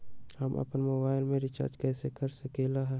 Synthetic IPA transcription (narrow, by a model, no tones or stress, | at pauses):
həmʔɐ̰pnmoːbaːɪlmẽɾɪt͡ʃa̰ːɾd͡ʒkɛːsekəɾsəkelaɦɛː